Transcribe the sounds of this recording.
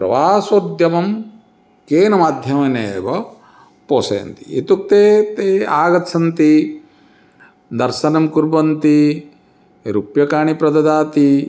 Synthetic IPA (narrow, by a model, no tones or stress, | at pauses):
pɾɐ̰ʋaːsod̪ʱjɐmɐm | keːnɐmaːd̪ʱjɐmɐneːbɐ | poːsɐjɐ̰nt̪i̥it̪uk̚t̪eːt̪eːaːɡɐt̪sʰɐnt̪i | d̪ɐɾʃɐnɐmkuɾbɐnt̪i | ɾupjɐkaːɳipɾɐd̪ɐd̪aːt̪i